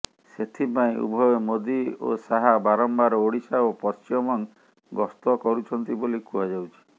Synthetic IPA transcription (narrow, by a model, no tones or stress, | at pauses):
set̪ʰipaĩṵbʱɔjɔmod̪io̰saɦabaɾɔmbaɾɔoɽisaopɔst͡ʃimɔŋ | ɡɔst̪ɔkɔɾut͡ʃʰɔnt̪ibolikuad͡ʒawt͡ʃʰi̥